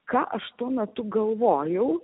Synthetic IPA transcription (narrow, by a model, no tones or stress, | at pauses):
kɑːʔɐʃt̪uɔmʲɛt̪ʊɡɐlˠʋoːjɛʊ